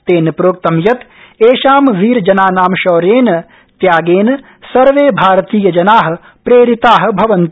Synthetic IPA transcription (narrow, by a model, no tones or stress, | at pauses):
t̪eːnpɾoːk̚t̪ɐmjɐt̪ | eːʃaːmʋiːɾd͡ʒɐnaːnaːmʃɔːɾeːn | t̪jaːɡeːn | sɐɾʋeːbʱaːɾt̪iːjɐd͡ʒɐnaːɦɐ̆ | pɾeːɾit̪aːɦ̆bʱɐʋɐnt̪